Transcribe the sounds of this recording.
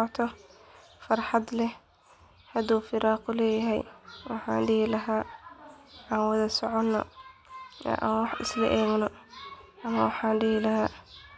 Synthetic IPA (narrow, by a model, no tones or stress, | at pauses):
ɔt̪ʰɔ | fɑrħɑd̪lɛ | hɐd̪uːfɪɾɑːqʊlɛːjɐɦɛ̰jwɑħɑ̰ːnɖɪhɪlɐɦaː | ɑːnwɑðɐsɔʕɔnːɔ̰ | ʔwɑħʔɪ̰slɐʔɛːɡnɔʔɐmɐwɑħɑːnɖɪhɪlɐɦaː